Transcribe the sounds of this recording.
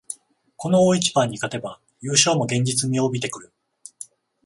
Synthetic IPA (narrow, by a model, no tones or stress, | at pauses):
ko̞no̞oːit͡ɕi̥bãɲ̟ːikat̪e̞ba | jɯːɕo̞ːmo̞ɡẽ̞ɲ̟d͡ʑit͡sɨmʲiobʲit̪e̞kɯ̟ɾɯ̟